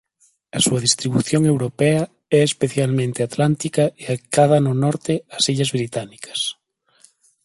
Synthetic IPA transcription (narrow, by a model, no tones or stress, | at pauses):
ɐsuɐðist̪ɾiβ̞uθjoŋewɾopɛa | ɛespeθjalmẽnt̪eat̪lant̪ikaeak̪að̞ɐnonɔɾt̪easiʎazβɾit̪anikʰɐ̥s